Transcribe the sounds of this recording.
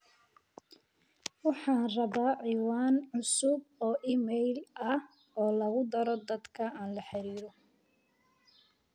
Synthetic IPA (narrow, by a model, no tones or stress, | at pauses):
wɑħɑːnrɐβaːʕiːwaːnʕʊsʊb̚ɔːʔiːmɛjlɐh | ɔːlɐɣʊd̪ɐɾɔd̪ɐd̪kʰɐaːnlɐħɪɾiːɾɔ